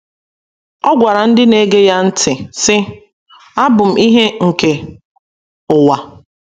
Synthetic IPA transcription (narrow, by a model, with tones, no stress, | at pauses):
ɔ˦ɡʷa˨ɾa˨n̩˦dɪ˦ne˦ɡe˦ja˦n̩˦tʰɪ˨sɪ˦ | a˦bʊ˨m̩˨i˦ɦe˦ŋ̩˨ke˨ | ʊ˨wa˨